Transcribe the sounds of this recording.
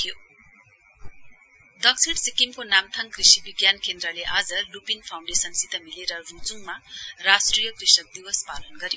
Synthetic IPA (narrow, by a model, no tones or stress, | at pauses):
jo | d̪ʌksiɽsikimkonamt̪ʰʌŋkrisibiɡjankend̪rʌleʔad͡zʌlupinpʰaw̃ɳɖesʌnsit̪ʌmileɾʌrud͡zuŋmarasʈrijʌkrisʌk̚d̪iwʌspalʌnɡʌɾijo